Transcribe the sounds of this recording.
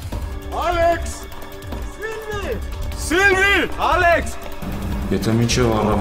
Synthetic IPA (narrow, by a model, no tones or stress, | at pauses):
aleks | silvisilvialeks | jet̪ʰamint͡ʃʰevaɾa